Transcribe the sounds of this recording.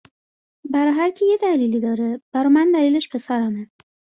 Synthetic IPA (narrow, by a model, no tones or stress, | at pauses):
bæɾɒɦæɾcʰejed̪æliːlid̪ɒːɾeb̥æɾɒmænd̪æliːleʃpʰe̞sæɾæme